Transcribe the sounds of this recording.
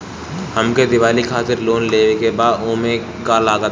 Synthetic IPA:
həmked̪ɪʋaːlikʰaːt̪ɪɾloːnleːʋekebaːd̪oːmẽ | kalaːɡət̪

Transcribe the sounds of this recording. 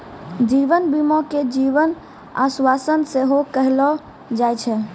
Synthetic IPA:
d͡ʒiʋənbimɔked͡ʒiʋən | a̰swasənseɦokəɦlɔ | d͡ʒajt͡ʃʰɛ

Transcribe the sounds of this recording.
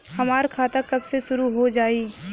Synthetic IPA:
hɐmaːɾkʰaːt̪akɐbseʃʊɾuɦod͡ʒaːiː

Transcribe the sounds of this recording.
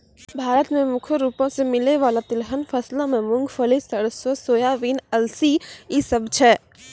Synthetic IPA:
bʱaːɾət̪mẽmʊkʰəɾuːpõsemɪleʋaːlat̪ɪlɦənfʰəslamẽmʊ̃ŋɡfʰəlisəɽəswəsoːjaːʋiːnɐlsiisəbt͡ʃʰɛː

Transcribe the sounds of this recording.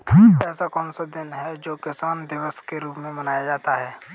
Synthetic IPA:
kʰiːpɛːsakɔːnsad̪ɪnɦɛd͡ʒoːkɪsaːnd̪ɪʋəskeɾuːpmẽbɐnaːjad͡ʒaːt̪aɦɛː

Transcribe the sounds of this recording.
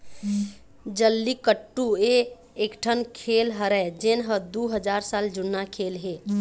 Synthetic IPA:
d͡ʒəlːikəʈːueː | kʈʰənkʰelɦəɾɛd͡ʒenɦəd̪uɦəd͡ʒaɾsald͡ʒunːakʰelɦe

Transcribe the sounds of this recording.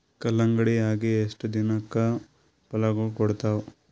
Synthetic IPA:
kɐlɐŋɡɐɽiaːɡieʂʈɐd̪inɐkːɐ | pɐlɐɡɐɭkɔɽt̪aːw

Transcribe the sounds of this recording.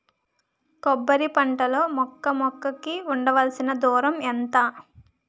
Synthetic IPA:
kɔbːɐɾipɐɳʈɐlo̞ːmɔkːɐmɔkːɐkiuɳɖɐʋɐlɐsinɐd̪uːɾɐment̪aː

